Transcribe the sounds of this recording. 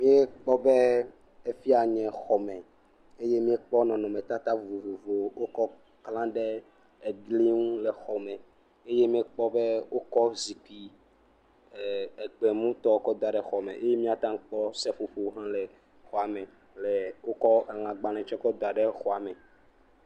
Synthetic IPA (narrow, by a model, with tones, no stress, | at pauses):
mĩ˦ɛ˦k͡pɔ˦bɛ˦ | e˦fi˦a˨ɲɛ̃˨xɔ˨mɛ̃˨ | e˦je˦mĩ˦e˦k͡pɔ˦nɔ̃˨nɔ̃˨mɛ̃˨t̪a˦t̪a˦vo˨vo˨vo˨vo˨wo˦kɔ˦ | klã˦ɖɛ˦ | e˨ɡli˦ŋũ˦lɛ˨xɔ˨mɛ̃˨ | e˦je˦mĩ˦ɛ˦k͡pɔ˦bɛ˦wo˦kɔ˦zi˨k͡pi˨ | e˨ɡ͡bɛ˨mũ˦t̪ɔ˦o˦kɔ˦d̪a˨ɖɛ˦xɔ˨mɛ̰̃˨ʔe˦je˦mĩ˦a˨t̪ã˦ŋ˦k͡pɔ˦sɛ˦ɸo˨ɸo˦ɦã˦lɛ˨ | xɔ˨a˨mɛ̃˨ | lɛ˨wo˦kɔ˦ʔɛ˨l̃ã˨ɡ͡bã˨nɛ̃˨t͡ʃɛ˦kɔ˦d̪o˨a˨ɖɛ˦xɔ˨a˨mɛ̃˨